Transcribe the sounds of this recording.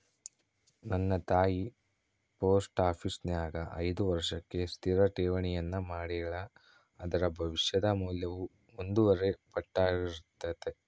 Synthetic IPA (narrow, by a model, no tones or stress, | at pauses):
nɐnːɐt̪aːji | po̞ːsʈaːpʰisnjaːɡɐʔɐ̰jd̪uʋɐɾʂɐkːe̞st̪ʰiɾɐʈeːʋɐɳɛjɐnːumaːɽiɭɐː | d̪ɐɾɐbʱɐʋiʃjɐd̪ɐmuːljɐʋu | ond̪uʋɐɾe̞pɐʈːaːɡiɾut̪ːɐd̪e̞